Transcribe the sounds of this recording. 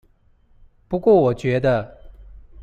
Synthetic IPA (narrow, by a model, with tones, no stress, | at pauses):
pu˧˥kwɔ˥˩wɔ˨˩t͡ɕɥɛ˧˥d̪ə˧